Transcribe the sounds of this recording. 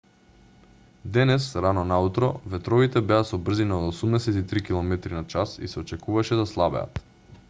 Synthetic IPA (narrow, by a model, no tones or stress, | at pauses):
d̪ɛnɛsɾanɔnaut̪ɾɔvɛt̪ɾɔvit̪ɛbɛasɔbr̩zinaod̪osumnɛsɛt̪it̪ɾikilˠɔmɛt̪ɾinat͡ʃasḭsɛɔt͡ʃɛkuvaʃɛd̪aslˠabɛ̰a̰t̪